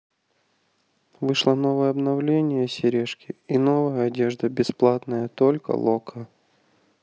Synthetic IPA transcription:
vɨʂlˠəno̞vəjəɐbnɐvlʲenʲɪjəsʲɪɾʲeʂkʲɪino̞vəjəɐdʲe̞ʐd̪əbʲɪsplˠat̪nəjət̪o̞lʲkə̰lˠokʰə

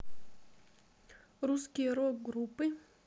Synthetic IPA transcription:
ɾuskʲɪjəɾoɡɾupːɨ

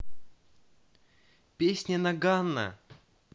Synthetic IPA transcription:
pʲesʲnʲɪnɐɡanːə̰

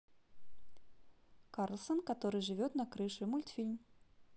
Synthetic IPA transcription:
karlʲˠsɐnkat̪ɔɾɨʐɨvʲɔt̪nɐkɾɨʂɨmulʲt̪fʲilʲm

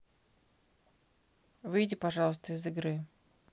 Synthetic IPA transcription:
vɨjdʲɪpɐʐɑlˠəst̪əɪzɨɡɾɨ

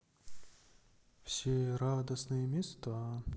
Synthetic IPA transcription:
w̥sʲiɾad̪ɐsnɪjɛmʲist̪ɐ

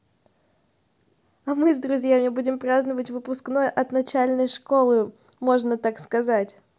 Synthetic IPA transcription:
ɐmɨzd̪ɾʊzʲjamʲɪbudʲɪmpɾaznəvətʲvɨpʊskno̞jʔɐt̪nɐt͡ɕælʲnəjʂko̞lˠɨ | mo̞ʐnət̪akskɐzatʲ

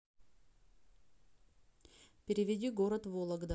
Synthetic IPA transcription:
pʲɪɾʲɪvʲɪdʲiɡoɾət̪volˠɐɡd̪a

